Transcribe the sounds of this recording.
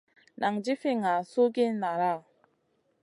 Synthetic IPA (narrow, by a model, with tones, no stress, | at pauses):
nʔa˨ŋ˨d͡ʒi˦fi˦ŋa˨su˦ɡɪ˦n˦na˨ɾa˦˨